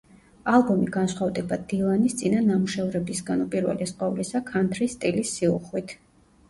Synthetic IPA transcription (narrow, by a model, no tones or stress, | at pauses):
alˠbɔmiɡansχwavd̪ɛbad̪ilˠanist̪sʼinanamuʃɛvɾɛbisɡanupʼiɾvɛ̰lɛsqʼɔvlisakʰant̪ʰɾist̪ʼilisːiṵχwit̪ʰ